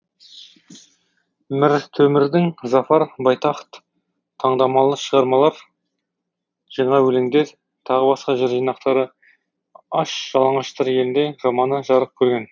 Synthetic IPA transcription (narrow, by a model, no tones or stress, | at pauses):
mɪɾt̪ʰɵmɪɾd̪ɪŋzɑfɑɾbɑjt̪ɑχt̪ʰː | ɑɴd̪ɑmɑlˠəʃəʁɑɾmɑlˠɑɾ | ʒ̥ɑɴɑwɵleŋd̪e̞ɾ | t̪ʰɑʁəbɑsqɑʒeɾʒijnɑqt̪ɑɾə | ɑʃʒ̥ɑlˠɑɴɑʃt̪ɑɾje̞lɪnd̪e̞ʒɑmɑnəʒɑɾəq̚kʲʰɵɾɡʲe̞n